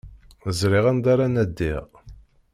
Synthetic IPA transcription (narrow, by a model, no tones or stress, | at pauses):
zɾiʁænd̪aɾanæd̪ːiʁ